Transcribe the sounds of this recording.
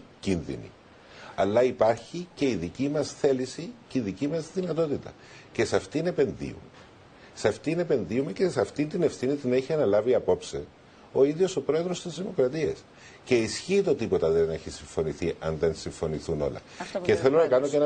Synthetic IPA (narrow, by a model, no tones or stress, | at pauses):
cinðḭnḭ | ɐlːɐipɐɾçice̞iðicimɐsθe̞lisiceiðicimɐzðinɐt̪o̞t̪it̪ɐ̰ | ce̞sɐft̪ine̞pe̞nðḭṵme | sɐft̪ine̞pe̞nðiumecesɐft̪int̪ine̞fθinit̪ine̞çiɐnɐlɐviɐpo̞pse | o̞iðʝo̞so̞pɾo̞e̞ðɾo̞st̪izðimo̞kɾɐt̪iɐs | ce̞isçiːt̪o̞t̪ipo̞t̪ɐðene̞çisiɱfo̞niθiʔɐnðe̞nsiɱfo̞niθuno̞̰lɐ̰ | ce̞θe̞lo̞nɐkɐno̞cen